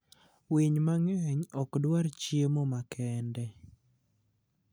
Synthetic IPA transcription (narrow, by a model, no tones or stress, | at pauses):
wiɲmaŋɲɔkdwaɾt͡ʃjemɔmakʰɛndɛ